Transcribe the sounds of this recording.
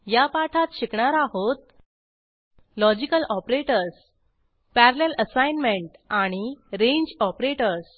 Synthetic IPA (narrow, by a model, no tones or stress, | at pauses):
japaʈʰat̪ɕikɳaɾaɦot̪̚ | lɔd͡ʑikəlʔɔpɾeʈəɾs | pæɾleləsajnmeɳʈaɽ̃iɾeɲd͡ʑɔpɾeʈəɾs